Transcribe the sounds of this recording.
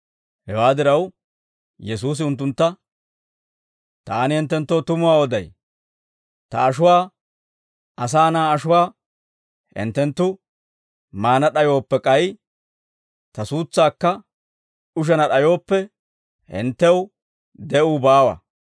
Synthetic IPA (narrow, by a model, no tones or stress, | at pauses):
hɛwaːd̪ɪɾɐw | jɛs̬uːs̬ɪʊnt̪̬ːʊnt̪ːɐ | t̪aːnɪhɛnt̪ːɛnt̪ːoːt̪ʊmʊwaːwɔd̪ɐj | t̪ɐ̰ːʃ̬ʊwaː | ɐs̬aːnaːɐʃʊwaː | hɛ̰nt̪ːɛnt̪ːʊ | maːnɐɗɐjo̞ːpːɛkʼɐj | t̪ɐsuːt͡sːaːkːɐ | ʊʃ̬ɛnɐɗɐjo̞ːpːɛ | hɛ̰nt̪ːɛw | d̪ɛʔuːbaːwɐ̰